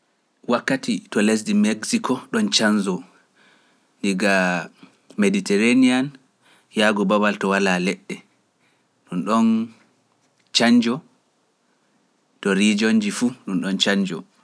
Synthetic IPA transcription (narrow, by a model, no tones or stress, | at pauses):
wakːatʰitɔles̬dimeɡsikʰɔɗɔnt͡ʃanzɔ | ndiɡa | meditɛɾanian | jaɡɔbawaltɔwalalɛɗːɛ | ɗunɗɔn | t͡ʃaɲd͡ʒɔ | tɔɾid͡ʒond͡ʒifuɗunɗɔnt͡ʃaɲd͡ʒɔ̰